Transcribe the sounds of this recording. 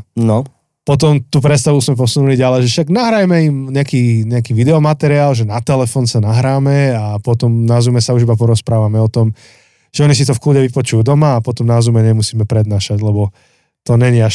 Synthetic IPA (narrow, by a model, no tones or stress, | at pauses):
nɔ | pɔt̪̬ɔmt̪uːpɾɛt̪st̪aʋuzmɛp̬ɔsunuliɟalɛʒɛfʃaɡnaɦɾajmɛimɲɛakiːɲɛakiːʋid̪ɛɔmat̪ɛɾiaːlʒɛnat̪ɛlɛfɔːnsanaɦɾaːmɛapɔt̪ɔmnazumɛsauʒibapɔɾɔspɾaːʋamɛɔt̪ɔm | ʒ̥ɛɔɲis̬it̪ɔfkludɛʋipɔt͡ʃujud̪ɔmaːpɔt̪ɔmnazumɛɲɛmusiːmɛpɾɛd̪naːʃaɟlɛbɔ | t̪ɔɲɛɲiaʃ